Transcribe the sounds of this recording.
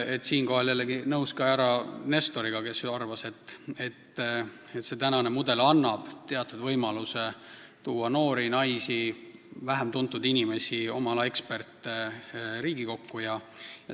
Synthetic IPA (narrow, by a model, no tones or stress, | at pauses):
e̞t̪siːnko̞ɦɑljælːeɡinɤwskɑæɾɑne̞st̪o̞ɾiɡ̥ɑke̞sɑrvɑse̞t̪ːe̞t̪ː | et̪ːse̞t̪ænɑne̞mud̪̥e̞lɑnːɑb̥t̪e̞ɑt̪ːˑud̪̥vɤjmɑluse | t̪uːɑno̞ːɾinɑjsivæɦemt̪unt̪ˑːud̪inʲime̞sʲio̞mɑlɑe̞kspe̞rt̪ːeɾiːɡ̥iko̞kːujɑjɑ